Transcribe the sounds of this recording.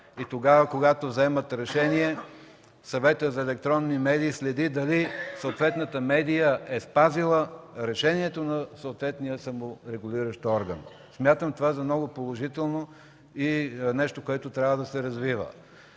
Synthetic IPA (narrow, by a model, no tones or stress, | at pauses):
it̪oɡavəkoɡat̪ovzɛmət̪ɾɛʃɛniɛ | sɐvɛt̪əzɐɛlɛk̚t̪ɾɔnːimɛd̪iːslɛd̪id̪ɐlisoot̪vɛt̪nət̪əmɛd̪ijəʔɛspazilˠəɾɛʃɛniɛt̪onɐsoot̪vɛt̪nijəsɐmoɾɛɡʊlʲiɾəʃt̪ɔɾɡən | smʲjat̪əmt̪ovazɐmnɔɡopolˠoʒit̪ɛlˠno | inɛʃt̪okoɛt̪ot̪ɾʲjavəd̪ɐsɛɾɐzvivə̰